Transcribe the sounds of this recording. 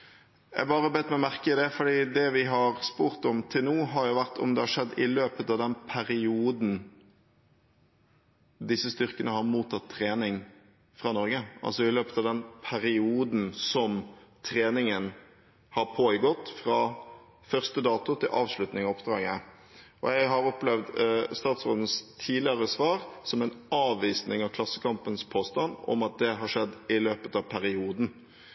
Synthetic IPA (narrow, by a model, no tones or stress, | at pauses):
æ̰bɑːɾəbɛːt̪ːmɛɔmæɾkəɪd̪ɛfɔɖiːd̪ɛʋɪɦɑɾspuːɾt̪ɔmt̪ʰɪlnuːɦɑɾjʊʋæʁt̪ʰɔ̰md̪ɛhɑʂɛd̪ːɪløːpət̪ɑʋd̪ɛnpʰæɾɪuːd̪n̩ | d̪ɪsːəst̪ʏɾkənəhɑɾmuːt̪ʰːɑt̪ʰːʁeːnɪŋ | fʁɑnɔɾɡəɑ̰lsɔɪløːpət̪ɑʋd̪ɛnpʰæɾɪuːd̪n̩sɔmt̪ʰɾeːnɪŋən | hɑɾpʰoːɪɡɔt̪ːfɾɑ | fœʁst̪əd̪ɑːt̪ʊt̪ʰɪlʔɑ̰ːʋʂlʉt̪nɪŋɔpd̪̥ɾɑːɡə | ʔɔ̰jæɪɡɦɑɾɔplɛʋd̪st̪ɑːt̪sʁoːd̪ən̩st̪ʰiːlɪəɾəsʋɑːɾsɔmɛnɑːʋːiːsnɪŋɑʋkʰlɑsːəkɑmpənspʰoːst̪ɑnd̪ɔ̰mɑt̪̚d̪ɛɦɑʂɛd̪ːɪløːpət̪ɑʋpʰæɾɪuːd̪n̩